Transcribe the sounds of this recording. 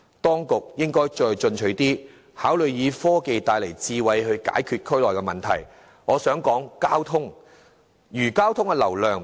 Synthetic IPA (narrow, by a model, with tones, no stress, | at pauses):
t̪ɔː˥ŋkʊ˨k̚jɪ˥ŋkɔː˥jt͡ʃɔː˧jt͡ʃɵ˧nt͡ʃʰɵ˨˥ɥt̪iː˥ | haː˨˥wlɵ˨ɥjiː˨˧fɔː˥ke˨˧jt̪aː˧jlɐ˨˩jt͡siː˧wɐ˧jɦɵ˧ɥka̰ː˨˥jkʰyː˧t̚kʰɵ˥ɥlɔː˨jkɛ˧mɐ˨nt̪ʰɐ̰˨˩j | ŋɔː˨˧sœː˨˥ŋkɔː˨˥ŋkaː˥wt̪ʰʊ˥ŋ | jyː˨˩kaː˥wt̪ʰʊ˥ŋkɛ˧lɐ˨˩wlœː˨˧ŋ